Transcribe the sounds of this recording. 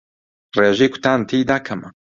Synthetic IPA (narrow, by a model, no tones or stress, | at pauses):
reːʒeːkʰʷʊ̥t̪aːnt̪ʰiːd̪aːkʰɐmɐ